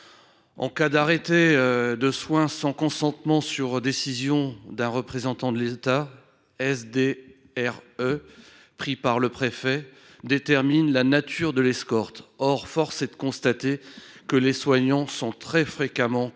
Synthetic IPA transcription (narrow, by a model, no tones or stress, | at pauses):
ɑ̰̃kad̪aʁet̪ed̪əswɛ̃sɑ̃kɔ̃sɑ̃t̪mɑ̃syʁd̪esizjɔ̃d̪ɛ̃ʁəpχezɑ̃t̪ɑ̃d̪əlet̪a | ɛsd̪e | ɛʁø | pχipaʁləpχefɛ | d̪et̪ɛʁminlanat̪ʰyʁd̪əlɛskɔʁt̪ɔʁfɔʁsed̪əkɔ̃st̪at̪ekəleswaɲɑ̃sɔ̃t̪χɛfχekamɑ̃